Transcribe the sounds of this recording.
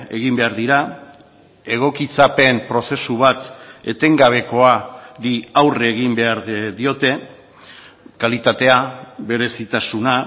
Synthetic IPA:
e̞ɣimbe̞aɾðiɾa | e̞ɣ̞o̞kit͡sape̞mpɾo̞se̞suβ̞at̪e̞t̪e̞ŋɡaβ̞e̞ko̞aɾiawreːɣ̞imbe̞aɾðio̞t̪e̞ | kalit̪at̪e̞aβe̞ɾe̞sit̪asuna

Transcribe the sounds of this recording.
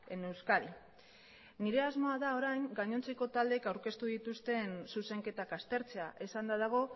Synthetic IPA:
ene̞wskaɾi | niɾe̞azmo̞aðao̞ɾajŋɡaɲo̞nt͡se̞ko̞t̪ald̪e̞kawɾke̞st̪uðit̪ust̪e̞nsuse̞ŋke̞t̪akast̪e̞ɾt͡se̞aʔesand̪aðaɣ̞o̞

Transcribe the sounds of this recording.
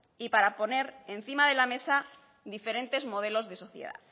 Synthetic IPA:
ipaɾapo̞ne̞ɾenθimaðe̞lame̞sa | ðife̞ɾe̞nt̪e̞zmo̞ð̞e̞lo̞zðe̞so̞θjḛða̰

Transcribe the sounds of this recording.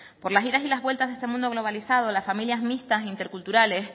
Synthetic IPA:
po̞ɾlasiɾasilazβwe̞lt̪azðest̪e̞mũnd̪o̞ɣlo̞β̞alisað̞o̞lasfamiljasmist̪asint̪eɾkult̪uɾale̞s

